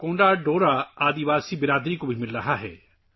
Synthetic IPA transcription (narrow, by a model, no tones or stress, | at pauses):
kõːɳɖaːɖoːɾaːaːd̪iʋaːsibɪɾaːd̪ɾikobʱimɪlɾɐɦaɦɛ̰ː